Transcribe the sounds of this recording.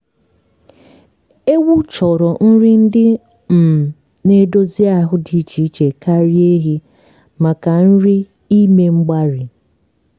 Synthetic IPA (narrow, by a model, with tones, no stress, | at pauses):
e˦wʊ˦t͡ʃɔ˨ɾɔ˨n̩˦ɾɪ˦n̩˦dɪ˦ | m̩˨ | ne˦do˦zi˦a˨ɦʊ˦di˨˦t͡ʃi˨˦t͡ʃe˨ka˦ɾi˦e˦ɦi˦ | ma˨ka˨n̩˦ɾi˦ | i˦me˦ŋ͡m̩˦ɡ͡ba˦ɾi˨